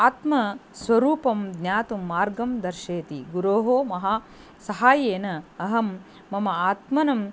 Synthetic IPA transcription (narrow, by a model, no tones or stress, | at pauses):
aːt̪mɐsʋɐɾuːpɐmd̪nʲaːt̪umːaːɾɡɐmd̪ɐɾʃeːt̪iɡuɾoːɦoːmɐɦaː | sɐɦaːjeːnɐɐɦɐmː | ɐmɐaːt̪mɐnɐm